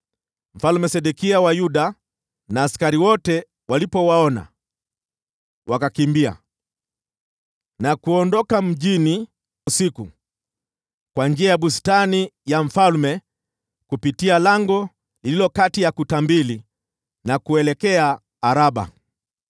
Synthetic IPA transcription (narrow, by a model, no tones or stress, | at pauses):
m̩falmɛsɛɗukiawajuɗa | naːskaɾiwɔtɛ | walipɔwaɔna̰ | wʔakakimbia̰ | nakuɔndɔkam̩ʄini | usiku | kwand͡ʒiajaɓustanijaɱ̩falmɛ | kupitialaŋɡɔ | lililɔkatijakutambili | nakuɛlɛkɛaː | ɾaɓa̰